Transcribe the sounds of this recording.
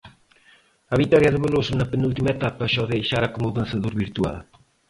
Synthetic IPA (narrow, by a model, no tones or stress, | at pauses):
ɐβit̪ɔɾjɐðeβelosunɐpenult̪imaet̪apɐʃɔðejʃaɾɐkomuðɐnsɐðuɾβiɾt̪ua̰l